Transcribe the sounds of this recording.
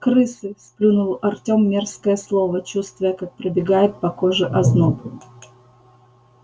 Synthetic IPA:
kɾɨsɨsplʲunʊlˠəʔɐrtʲo̞mːʲerskəjəslˠovət͡ɕust̪vʊjəkak̚pɾɪbʲɪɡajɪt̪̚pɐkoʐɨʔɐznob

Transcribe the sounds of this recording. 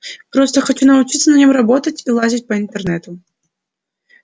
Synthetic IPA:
pɾost̪əxɐt͡ɕunəʊt͡ɕit̪sːənɐnʲimrɐbot̪ətʲilˠazʲit̚ʲpəɪnt̪ərnɛt̪ʊ

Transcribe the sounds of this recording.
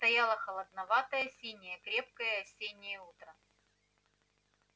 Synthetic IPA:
st̪ɐjalˠəxəlˠəd̪nɐvat̪əjəsʲinʲɪjəkɾʲe̞p̚kəjəɐsʲenʲɪjəut̪ɾə

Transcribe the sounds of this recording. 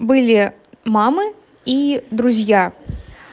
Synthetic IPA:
bɨlʲi | mamɨ | id̪ɾuzʲja

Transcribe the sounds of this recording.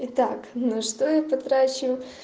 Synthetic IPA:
ɪt̪aknɐʂt̪ojapɐt̪ɾat͡ɕɪʊ

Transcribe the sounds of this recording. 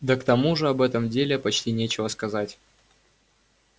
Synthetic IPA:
d̪əkt̪ɐmuʐɨɐbɛt̪əmdʲelʲɪpɐt͡ɕtʲinʲet͡ɕɪvəskɐzatʲ

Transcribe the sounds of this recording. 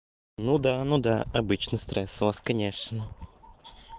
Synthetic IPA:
nud̪anud̪a̰ɐbɨt͡ɕnəst̪ɾɛsvaskɐnʲeʂnə

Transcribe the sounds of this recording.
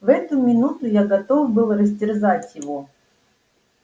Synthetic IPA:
vɛt̪ʊmʲɪnut̪ʊjaɡɐt̪ovbɨlˠrəzʲdʲɪrzatʲjɪvo

